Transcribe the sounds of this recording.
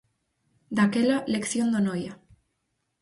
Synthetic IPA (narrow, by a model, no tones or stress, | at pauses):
d̪akelalekθjond̪onoja